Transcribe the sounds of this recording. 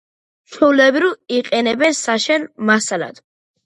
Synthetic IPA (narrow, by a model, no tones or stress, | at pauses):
ʃʰulɛbɾiiqʼɛnɛbɛnsaʃɛnmasala̰d̪̥